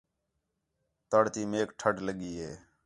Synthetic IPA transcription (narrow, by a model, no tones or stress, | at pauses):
t̪əɽt̪iːmeːkʈʰəʈləɠiːɦeː